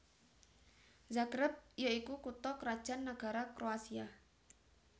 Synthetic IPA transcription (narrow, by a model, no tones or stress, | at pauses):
zakɾəp̚jaikukut̪ɔkɾad̥ʒ̥anːaɡ̥a̤ɾakɾoasia